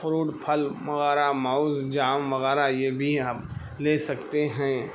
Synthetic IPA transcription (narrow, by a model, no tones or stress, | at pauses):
fʊɾuːʈpʰɐlʋɐɣɛːɾamaʊzd͡ʒaːmʋɐɣɛːɾajebʱiam | leːsɐkt̪eɦɛ̃ː